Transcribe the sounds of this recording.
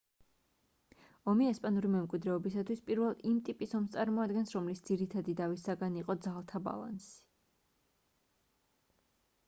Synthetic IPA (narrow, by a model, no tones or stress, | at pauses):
ɔmiɛspʼanuɾimɛmkʼwid̪ɾɛɔbisat̪ʰwispʼiɾvɛlˠimt̪ʼipʼisɔmst̪sʼaɾmɔad̪ɡɛnsɾɔmlisd̪z̥iɾit̪ʰad̪id̪avisaɡaniqʼɔd̪zalˠt̪ʰaba̰lˠa̰nsi̥